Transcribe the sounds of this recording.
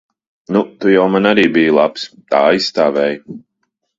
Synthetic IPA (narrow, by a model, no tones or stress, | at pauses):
nut̪ujawmanaɾiːbijulˠapst̪aːajssːt̪aːvɛːj